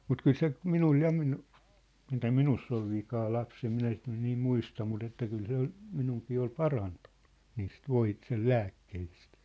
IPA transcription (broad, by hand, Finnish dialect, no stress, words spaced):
mut kyl se minul jɑ minu mitæ minusː ol ʋikɑː lɑpsem minæ sit nyn niːm muistɑ mut etːæ kyl se ol minuŋkiː ol pɑrɑntu̥n̥ːu̥ niːst ʋoi sel læːkːehist